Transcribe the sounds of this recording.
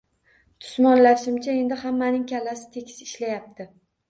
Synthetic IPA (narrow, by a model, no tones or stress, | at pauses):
t̪ʰʊ̥smɒnlaʃɪmt͡ʃʰae̞nd̪ɪhamːanɪŋkʲʰalːasɪ̥t̪ʰe̞kʲʰɪ̥sɪʃlajap̚t̪ʰɪ